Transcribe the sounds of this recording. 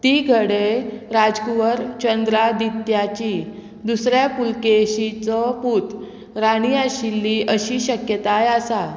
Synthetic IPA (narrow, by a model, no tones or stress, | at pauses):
t̪iɡʱəɽeɾad͡zkuʋəɾt͡ɕənd̪ɾad̪it̪jat͡ɕiː | d̪usɾjapulkeɕit͡sɔpuːt̪ | ɾaɽ̃iaɕilːiːʔəɕiːɕəkjət̪ajasa